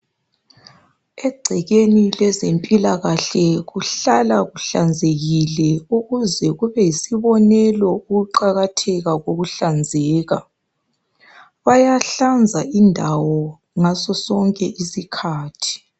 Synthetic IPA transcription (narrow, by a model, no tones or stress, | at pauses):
ɛɡ͡ǀʱɛɣenilɛzempʼilaɣaɬɛɣuɬalaɣuɬand͡zʱeɣilɛuɣuzɛɣuβɛjisiβɔnɛlɔuɣuǃaɣatʰɛɣaɣoɣuɬand͡zʱɛːɣa | βajaɬand͡zʱaindʱawɔ | ŋasɔsɔŋkʼɛʔisikʰaːtʰi̥